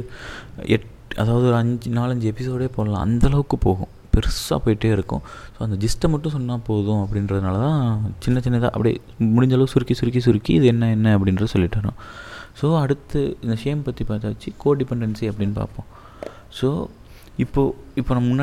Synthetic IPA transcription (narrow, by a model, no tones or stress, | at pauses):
ʔɛ̰ʈ | ɐ̰ðaːʋɐðɯɔɾɯɐɲd͡ʒnaːlɐɲd͡ʒɯɛpɪs̬oːɽeːpoːlɐlã̰ːɐ̰nd̪ɐlɐʋɯkːɯpoːɣʊ̰̃ | pɛɾɯsːa̰ːpoːjɪʈːeːɪɾɯkːʊ̰̃soːɐnd̪ɐd͡ʒɪsʈɐmɐʈːʊ̃sɔnːaːpoːðʊ̃ɐpːɐɽɪnɾɐðɯnaːlɐt̪ãːt͡ʃɪnːɐt͡ʃɪnːɐjt̪a̰ːʔɐpːɐɽḭ | mʊɽɪɲd͡ʒɐlɐʋɯsʊɾɪkːisʊɾɪkːis̬ʊɾɪkːiːðɯɛnːɐɛnːɐɐp̬ːɐɽɪnrɐðɯsɔlːɪʈːaːɾõ̰ːsoːɐɽɯt̪ːɯɪnd̪ɐʂejɐmpɐt̪ːipaːɾt̪aːʋɐt͡ʃːɯkoːɖɪpɛɳɖɐnsiɐpːɐɽɪnːɯpa̰ːɾpõː | soː | ɪpːoːɪpːoːnɐmɐmʊnːaː